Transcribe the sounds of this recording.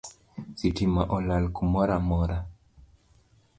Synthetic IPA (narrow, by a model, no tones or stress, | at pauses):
sitimaʔɔlalkumɔɾamɔɾa